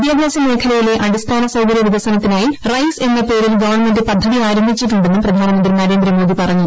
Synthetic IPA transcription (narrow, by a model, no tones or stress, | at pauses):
d̪jaːɡʱaːsɐme̞ːkʰɐlɐjileʔɐɽist̪ʰaːnɐsɐwkɐɾjɐʋiʋɐsɐnɐt̪ːinaːjirɐjse̞nːɐpe̞ːɾilɡɐʋɐɳmendɨpɐd̪ʱːɐðiaːɾɐmbʱit͡ɕːiʈːuɳɖenːumprɐd̪ʱaːnɐmɐnd̪rinɐɾe̞ːnd̪ɾɐmoːd̪ipɐrɐɲːu